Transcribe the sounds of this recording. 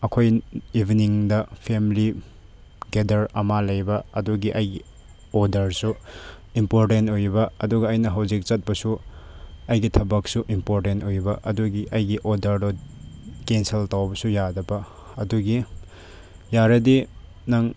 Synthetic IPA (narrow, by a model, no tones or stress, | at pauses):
ɐkʰojibʱiniŋdɐpʰemli | ɡedɐɾɐmalɐjbɐɐduɡiʔɐjɡi | odɐɾsuimpoɾtentojbɐɐduɡɐːjnɐɦɐwzik̚t͡ʃɐt̚pɐsu | ɐjɡitʰɐbɐk̚suʔimpoɾtentojbɐʔɐduɡiʔɐjɡiʔodɐɾdɔ | kenseltawbɐsujadɐbɐ | ɐduɡi | jaɾɐdi | nɐŋ